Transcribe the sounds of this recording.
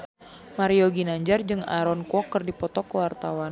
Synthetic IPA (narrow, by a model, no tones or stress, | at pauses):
maɾiɔɡinaɲd͡ʒard͡ʒɨŋa̰ɾɔnkɔkːɨrdipɔt̪ɔkəwart̪awan